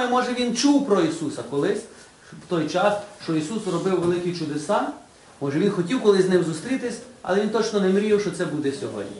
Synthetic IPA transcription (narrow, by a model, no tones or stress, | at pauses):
ɛmɔʒɛʋʲint͡ʃuwpɾɔisusɐkɔlˠɪsʲ | wt̪ɔjt͡ʃɑsʃt͡ʃɔisusrɔbɪwʋelˠɪkʲit͡ʃʊd̪esɑ | mɔʒɛʋʲinxɔtʲiwkɔlˠɪznɪmzʊst̪ɾʲit̪ɪsʲɐ̰lˠɛʋint̪ɔt͡ʃnɔnɛmɾʲiwʃɔt̪sɛbud̪ɛsʲɔɦɔ̰dʲnʲi